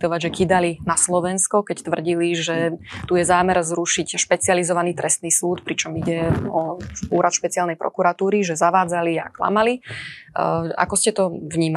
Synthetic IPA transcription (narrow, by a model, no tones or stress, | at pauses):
t̪ɔʋaɟʒɛkid̪alinaslɔʋɛnskɔkɛct̪ʋr̩ɟiliʒɛt̪ujɛzaːmɛɾzɾuʃicʃpɛt͡sializɔʋaniːt̪ɾɛst̪niːsuːt̪pɾit͡ʃɔmiɟɛɔuːɾat̪ʃpɛt͡sialnɛjpɾɔ̰kuɾat̪uːɾiʒɛzaʋaːd͡zalia̰kla̰mali | a̰kɔscɛt̪ɔvɲiːm